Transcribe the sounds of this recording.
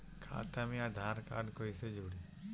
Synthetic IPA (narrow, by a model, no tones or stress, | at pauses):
kʰa̰ːt̪ʰamĩad̪ʱaːɾka̰ːɖkoised͡ʒuːɽi